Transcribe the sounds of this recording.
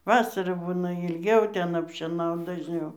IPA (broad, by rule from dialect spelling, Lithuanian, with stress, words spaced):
ˈʋɑːsɐrɑː ˈbuːnɐ ɪlʲˈɡʲɛʊ ˈtʲɛn ɐpʲˈʃʲeːnɐʊt dɐʒʲˈnʲɛʊ